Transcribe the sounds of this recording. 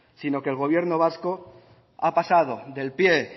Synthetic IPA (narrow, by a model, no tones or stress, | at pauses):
sino̞kelɣ̞o̞β̞je̞ɾno̞β̞asko̞ | apasað̞o̞ðe̞lpje̞